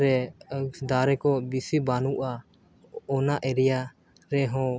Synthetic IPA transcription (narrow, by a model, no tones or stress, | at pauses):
ɾɛ | d̪aɾɛkɔbisibanuʔa | ɔnaʔɛɾɛja | ɾɛɦɔ̃